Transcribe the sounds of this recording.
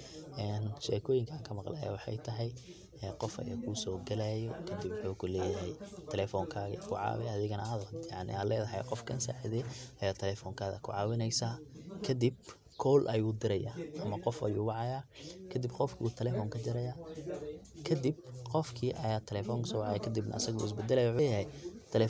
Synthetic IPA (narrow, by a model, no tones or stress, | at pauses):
ʔɛːnʃɛ̰ːkʰɔːjɪŋkʰɐaːŋkʰɐmɑqla̰ːja̰wɑħɑ̰jt̪ʰɐɦɛj | ɛːqɔfɐ̰jɐ̰kʰuːsɔːɡɐlajɔkʰɐd̪ibwʊħɔːkʰʊlɛːjɐɦɛjt̪ʰɛlɛfɔːŋkʰaːɣɐ̰kʰʊʕɑ̰ːwɛɐðɪɣɐnɐɐðɔd̪jaʕnɪ̰aːlɛːðɐɦɐjqɔfkʰɐnsa̰ːħiðɛɐjaːt̪ʰɛlɛfɔŋkʰaːɣɐ̰kʰʊʕɑːwɪnɛjsaːkʰɐd̪ib̚ | kʰɔːlʔɐjuːd̪ɪɾɐjaːʔɐmɐqɔfɐ̰jṵːwɑʕɑjaːkʰɐd̪ɪbqɔfkʰut̪ʰɛlɛfɔːŋkʰɐt͡ʃɐɾɐjaː | kʰɐd̪ib̚qɔfkʰiːʔɐjaːt̪ʰɛlɛfɔːŋkʊsɔːwɑʕɑjaːkʰɐd̪ɪbnɐ̰ɐ̰sɐɣuːɪs̬bɐd̪ɛlɐjɐwħʊːjɐɦɛjt̪ʰɛlɛ